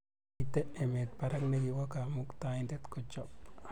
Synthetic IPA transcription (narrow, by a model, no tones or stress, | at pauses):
t̪eʔemet̪̚paɾakneɡiwakamukt̪aint̪et̪kot͡ʃop